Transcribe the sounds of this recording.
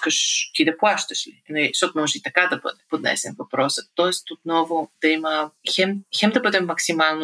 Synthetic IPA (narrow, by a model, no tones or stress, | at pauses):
kɐʃt̪id̪ɐpuaʃt̪ɐʃlinɛst̪ot̪onɐmoʒit̪ɐkad̪ɐbø̰d̪ɛpod̪nɛ̰sɛ̰nvɐpɾɔsɐt̪ɔest̪ot̪nɔvod̪ɐimɐçɛmçɛmd̪ɐbəd̪ɛmmɐksimalno